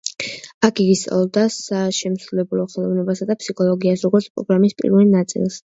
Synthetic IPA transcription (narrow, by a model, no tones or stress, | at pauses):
akʰɡiɡist̪sʼa̰lˠɔd̪asaʃɛmsɾulɛbulˠɔχɛlˠɔvnɛbasad̪apsikʰɔlˠɔɡiasɾɔɡɔɾt̪sʰpʼɾɔ̰ɡɾamispʼḭɾvɛlˠnat̪sʼḭlˠs